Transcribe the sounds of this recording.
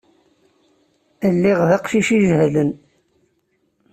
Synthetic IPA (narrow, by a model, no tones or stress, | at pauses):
əlːiʁðɑqʃiʃiʒhlən